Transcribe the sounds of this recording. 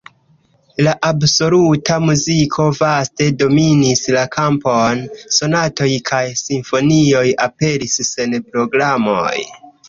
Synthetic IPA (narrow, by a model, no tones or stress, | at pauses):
laʔabso̞lutamuzikʰo̞vaste̞do̞minislakʰampo̞nso̞nato̞jkʰajsiɱfo̞nio̞jape̞ɾisːe̞npɾo̞ɡɾamo̞̰j